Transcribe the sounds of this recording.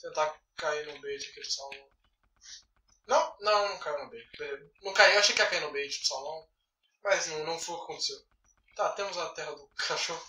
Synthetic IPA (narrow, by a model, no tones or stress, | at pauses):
t̪ẽnt̪a | kainʊ̃bejd͡ʒɪakid̪ʊsawnɐ̃w̃ | nɐ̃w̃nɐ̃w̃nɐ̃w̃kainʊbejd͡ʒɪɛnɐ̃w̃kaiewaʃejkɪɛakaiɾnʊbejd͡ʒɪd̪ʊ̥sawlɐ̃w̃ | mɐznɐ̃w̃nɐ̃w̃fojʊkʲakõt̪e̥sew | t̪at̪ẽmʊzɐt̪ɛɦɐd̪ʊkʰaʃohʊ